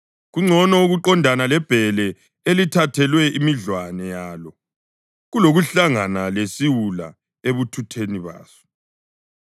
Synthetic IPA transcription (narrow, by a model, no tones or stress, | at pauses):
ɣuŋ͡ǀʱɔnɔuɣuǃɔndʱanalɛb̥ʱɛlɛ | elitʰatʰɛlwɛimiɮwanɛjaːlɔ | ɣuloɣuɬaŋanalesiwula̰ | eβutʰutʰeniβa̰ːsɔ̥